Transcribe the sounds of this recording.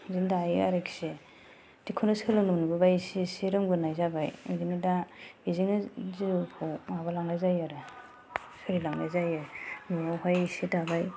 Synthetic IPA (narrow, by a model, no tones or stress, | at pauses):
zindajia̰ɾekʰi̥se | dikʰunɯsɯlɯnɯnɯbɯbajsisiɾɯŋbɯnajzabajɯdiŋnɯdabiziŋnɯzipʰɔŋaβalaŋlajzajaɾɯ | sʰɯɾilaŋlajzajaɾnuawɦajsidabaj